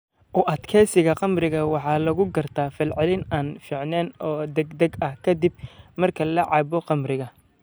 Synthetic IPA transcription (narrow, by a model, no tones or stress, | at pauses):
ʔʊʔɐd̪kʰɛːsɪɣɐqɑmrɪɣɐwɑħɑːlɐɣʊɡɐrt̪ʰaːfɪlʕɪlɪnaːnfiːʕnɛːnɔːd̪ɛɡd̪ɐɡɐhkʰɐd̪ɪb̚mɐrkʰɐlɐʕɑːbɔqɑmrɪɣɐ